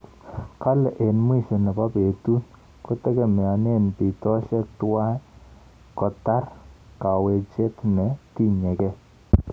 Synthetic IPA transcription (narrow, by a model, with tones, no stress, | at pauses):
ka˦lɛ˨ʔe˨nmwi˦ʃo˨nɛ˨pa˦pe˨tu˦n | ko˦tɛ˦ke˨me˨a˨ne˦npi˨tɔ˦ʃɛ˦k̚twa˦ | kɔ˨ta˦rka˨we˨t͡ʃe˦tnɛ˨ti˦ɲɛ˨kɛ˦